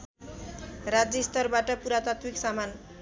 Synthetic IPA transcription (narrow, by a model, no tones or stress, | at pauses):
rad͡zest̪ʌrbaʈʌpuɾat̪at̪wiksaman